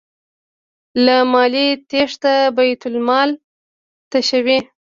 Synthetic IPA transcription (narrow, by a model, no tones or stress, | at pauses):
lamɑlit̪eʂt̪abajt̪ʊlmɑl | t̪aʃəwi